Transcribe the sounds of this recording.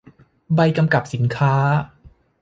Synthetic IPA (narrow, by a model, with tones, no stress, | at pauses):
ba˧jka˧mka˨˩p̚si˩˦nkʰaː˦˥